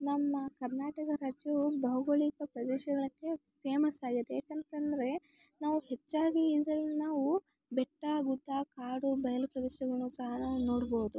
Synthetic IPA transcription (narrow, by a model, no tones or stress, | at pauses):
nɐmːɐkɐɾnaːʈɐkɐɾaːd͡ʒjubɐɦɐɡoɭikɐpɾɐd̪ɛːʃɐɡɐɭɐkːe̞ | pʰeːmɐsaːɡid̪ejaːkent̪ɐnd̪ɐɾe̞ | naːʋuhet͡ʃːaːɡiːd̪ɾɐlːinaːʋu | bɛʈːɐɡuɖːakaːɽubɐjɐlupɾɐd̪ɛːʃɐɡɐɭnuːsɐɦɐnaːʋuno̞ːɽboːud̪u